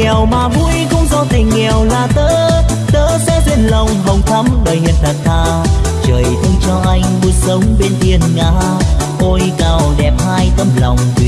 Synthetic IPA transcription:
ɛ˨˩wmaː˨˩vu˧jkʊ̰˧˥wŋ͡mkɔ˧˦t̪ʰi˨˩ŋ̟ŋɛ˨˩wlaː˨˩t̪əː˧˥ | t̪əː˧˥sɛ̰˧˥zwe˧˥nlə˨˩wŋ͡mɦə˨˩wŋ͡mt̪ʰə˨˦mɗəː˨˩jhḭ˨əp̚t̪ʰə˨˩t̚t̪ʰaː˧˩ | t͡ɕəː˨˩jt̪ʰə˧ŋ͡mt͡ɕɔ˧ʔa˧jŋ̟vɨ˧˦sə˨˦wŋ͡mɓe˧nʔi˧ənŋa̰ː˧˥ | ʔo˧jkaː˨˩wɗɛ˨˩p̚haː˧jt̪ə˧mla˨˩wŋ͡mt̪ḭ˨

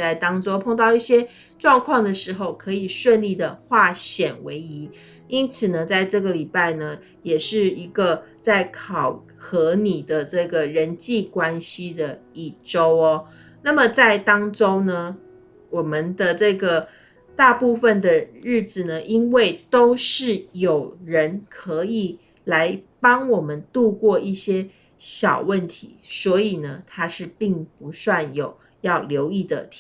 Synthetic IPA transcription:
a˥˩ɪt̪ɑ˥ŋʈ͡ʂo˥ʊpʰo˥˧ŋt̪ɑ˥˧ʊi˥˩ɕjɛ˥ | ʈ͡ʂwɑ˥˧ŋkʰwɑ˥˩ŋd̪ə˩ʂɻ̩˧˥xo˥˧ʊkʰɤ˧˥˦i˨˩ʂwə˥˧nli˥˩d̪ə˩xwa˥˩ɕjɛ˨˩nwe˧˥ɪi˧˥˦ | i˦˥nt͡sʰɹ̩˨˩nə˩t͡sa˥˧ɪʈ͡ʂɤ˥˩ɡə˩li˨˩pa˥˩ɪnə˩ | jɛ˨˩ʂɻ̩˥˩i˧˥ɡə˧t͡sa˥˩ɪkʰɑ˨˩ʊ | xɤ˧˥ni˨˩d̪ə˦ʈ͡ʂɤ˥˩ɡə˩ɻə˧˦nt͡ɕi˥˩kwa˥nɕi˥d̪ə˨i˥˩ʈ͡ʂo˥ʊɔ˧ | na˥˩mə˨t͡sa˥˩ɪt̪ɑ˥ŋʈ͡ʂo˥ʊnə˨ | wɔ˨˩mə˦nd̪ə˨ʈ͡ʂɤ˥˩ɡə˩ | t̪a˥˧pu˥˧fə˨nd̪ə˩ɻɻ̩˥˩d͡zɹ̩˨˩nə˩ʔi˦˥nwe˥˩ɪt̪o˥ʊʂɻ̩˥˩jo˨˩ʊɻə˧˦nkʰɤ˧˥i˨˩ | la˧˦ɪpɑ˥ŋwɔ˨˩mə˦nt̪u˥˧kwɔ˥˧i˥˩ɕjɛ˥ | ɕjɑ˨˩ʊwə˥˩nt̪ʰḭ˧˦swɔ˧˥i˨˩nə˦t̪ʰa˥ʂɻ̩˥˧pi˥˩ŋpu˧˥swa˥˩njo˨˩ʊ | jɑ˥˩ʊljo˧˥ʊi˥˩d̪ə̰˩t̪ʰ

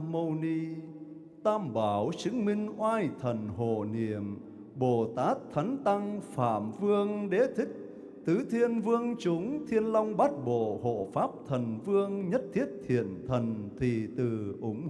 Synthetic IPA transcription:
mə˧wni˧ | t̪aː˧mɓaː˨˩wt͡ɕɨ˨˦ŋmï˧ŋ̟ʔwaː˧jt̪ʰə˨˩nɦo̰˧˨nḭ˧˩˨əm | ɓo˨˩t̪aː˦˥t̚t̪ʰa˨˦jŋ̟t̪a˧ŋfa̰ː˧˩mvɨ˧əŋɗe˨˦t̪ʰï˦˥k̚ | t̪ɨ˨˦t̪ʰi˧ənvɨ˧əŋt͡ɕʊ˨˦ŋ͡mt̪ʰi˧ənlɔ˧wŋ͡mɓa˦˥t̚ɓo̰˧˨ho̰˧˨faː˦˥p̚t̪ʰə˨˩nvɨ˧əŋɲə˦˥t̚t̪ʰi˦˥ət̚t̪ʰḭ˧˩˨ənt̪ʰə˨˩nt̪ʰi˨˩t̪ɨ˨˩ʔʊ˨˦ŋ͡m

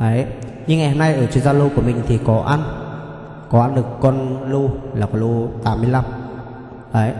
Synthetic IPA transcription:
ʔə˨˦j | ɲɨ˧ŋːa˨˩ho˧˩na˧jʔəː˧˩t͡ɕi˧˨nzaː˧lo˧ku˧˩mï˨˩ŋ̟t̪ʰi˨˩kɔ˨˦ʔa˧n | kɔ˨˦ʔa˧nɗɨ˨˩əkːɔ˧nlu˧laː˨˩kɔ˨˦lo˧t̪aː˨˦mːɨ˧əla˧m | ʔə˨˦j

